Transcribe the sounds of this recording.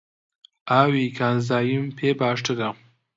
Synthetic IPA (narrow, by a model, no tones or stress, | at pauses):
aːwikʰaːnzaːjimpʰebaːʂʈəd̪a